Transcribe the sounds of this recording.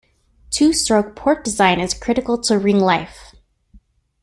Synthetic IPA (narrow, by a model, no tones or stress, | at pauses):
tʰʉstɹ̥oʊk̚pʰɔɹt̚d̥ɨzãɪ̃nɨz̥kʰɹ̥ɪɾɨkl̩ˠtʰəɹɪ̃ŋlaɪf